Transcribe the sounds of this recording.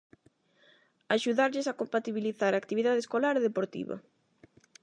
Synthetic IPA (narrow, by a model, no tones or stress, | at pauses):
aʃuðaɾʎɪsakompat̪iβiliθaɾakt̪iβiðaðeskolaɾeðepoɾt̪ḭβɐ̰